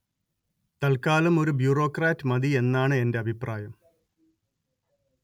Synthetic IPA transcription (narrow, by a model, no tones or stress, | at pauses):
t̪ɐlkaːlɐmo̞ɾubjuːro̞ːkraːtːɨmɐd̪ie̞nːaːɳɨe̞nde̞ɐbʱipraːjɐm